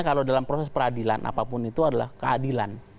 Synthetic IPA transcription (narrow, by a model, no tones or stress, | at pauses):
akalodalampɾosɛspəɾadila̰nʔa̰papʊnit̪uadala̰hkəadilan